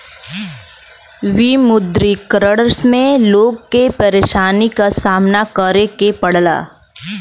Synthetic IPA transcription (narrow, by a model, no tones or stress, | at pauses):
ʋimʊd̪ɾikɾəɽsmẽloːɡ̚kepɐɾeːʃaːnikasaːmnakəɾekepɐɽ̤la̰ː